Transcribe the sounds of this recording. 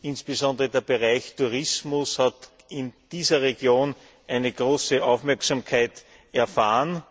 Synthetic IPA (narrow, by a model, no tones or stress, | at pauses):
ɪnsb̥əzɔ̃ndəʁədeːɐbeʁaɪçtʰuʁɪsmʊshat | ɪnd̥iːzɐʁeɡjoːn | ʔæɪnəɡ̥ʁoːsəʔaʊfmɛɐksamkʰaɪt | ɛɐfaːən